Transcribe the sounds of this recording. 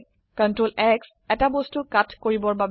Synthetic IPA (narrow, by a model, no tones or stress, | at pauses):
kɔntɹolɛks | ɛtabostʊkatkoɹibɔɹbab